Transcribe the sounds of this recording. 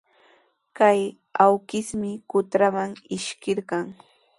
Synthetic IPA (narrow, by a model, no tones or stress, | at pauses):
kaj | awkɪsmɪkʊt̪ɾamaŋɪʃkɪɾɢɑŋ